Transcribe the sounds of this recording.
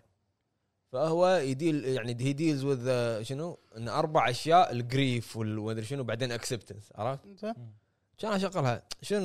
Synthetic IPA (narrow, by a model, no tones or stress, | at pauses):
fahwajd̪iːljaʕnihid̪iːlzwəðʃənuʔɪnːʔɑɾˤbaʕʔaʃjaːʔlɡɾiːfwəlmad̪iɾʃənubaʕd̪eːnʔaksɪbt̪ansʕɑ̰ɾˤɑːf | at͡ʃaːnʔaʃaqːəlhaʃən